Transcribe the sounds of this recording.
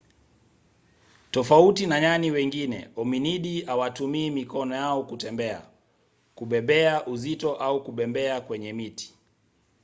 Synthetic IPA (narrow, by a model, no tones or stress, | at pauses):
tɔfautinaɲaniwɛŋɡinɛ̰ɔminiɗiawatumiːmikɔnɔjaɔkutɛmbɛa̰ | kuɓɛbɛaʔuzitɔʔaukuɓɛmbɛakwɛɲɛmiti̥